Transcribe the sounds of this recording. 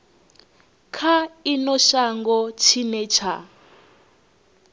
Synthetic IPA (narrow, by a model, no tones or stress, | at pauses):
kʰainɔʃaŋɡɔt͡ʃʰinɛt͡ʃʰa